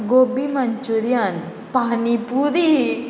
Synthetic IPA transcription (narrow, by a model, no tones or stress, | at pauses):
ɡoːbimɐɲt͡ʃuɾijan | paːnipuɾi